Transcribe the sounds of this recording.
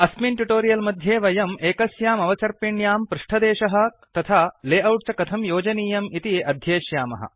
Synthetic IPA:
ɐsminʈuʈoːɾijɐlmɐd̪ʱjeːʋɐjɐmeːkɐsjaːmɐʋɐt͡ʃɐɾpiɳjaːmpɾuʂʈʰɐd̪eːʃɐɦɐ̆ | t̪ɐt̪ʰaːleːʔɐwʈt͡ʃɐkɐt̪ʰɐmjoːd͡ʒɐniːjɐmit̪iʔɐd̪ʱjeːʃjaːmɐ̰ɦɐ̰

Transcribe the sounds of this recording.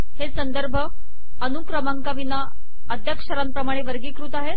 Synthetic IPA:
hesənd̪əɾbʱə | ənukɾəmaŋkaʋina | əd̪ʱjəkʂəɾampɾəmaɽ̃eʋəɾɡiːkɾuːt̪aɦe

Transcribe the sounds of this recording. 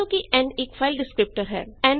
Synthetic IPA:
õkiʔɛ̃ːɳɖeːkfaɪlɖɪskɾɪp̚ʈəɾɦɛ̰ːɛ̃ːɳ

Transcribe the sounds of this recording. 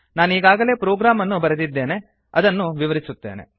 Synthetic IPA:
naːniːɡaːɡɐle̞ːpɾoːɡɾaːmɐnːubɐɾɐd̪id̪ːe̞ːne̞ | ɐ̰d̪ɐnːuʋiʋɐɾisut̪ːe̞̰ːne̞̰

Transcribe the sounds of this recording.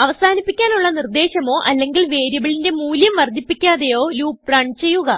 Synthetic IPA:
ɐʋɐsaːnipːikʲːaːnuɭːɐnird̪e̞ːɕɐmo̞ːʔɐlːe̞ŋɡilʋe̞ːɾjɐbɐɭinde̞muːljɐmʋɐrd̪ʱːipːikʲːaːðejo̞ːluːpraːɳɖt͡ɕe̞jːuɣɐ

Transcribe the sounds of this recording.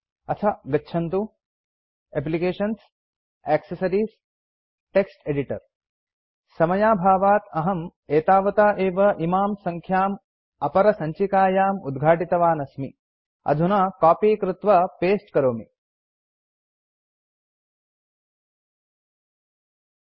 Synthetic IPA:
ɐt̪ʰɐɡɐtːʃʰɐnt̪u | ep̬likeːʃɐns | eːksɐsɐɾiːs | ʈeksʈeɖiʈɐɾ | sɐmɐjaːbʱaːʋaːt̪ɐɦɐmeːt̪aːʋɐt̪aːʔeːʋɐʔimaːmsɐŋkʰjaːm | ɐpɐɾɐsɐɲt͡ʃikaːjaːmud̪ɡʱaːʈit̪ɐʋaːnɐsmi | ɐ̰d̪ʱunakaːpiːkɾɪt̪ʋɐpeːsʈkɐɾoːmi

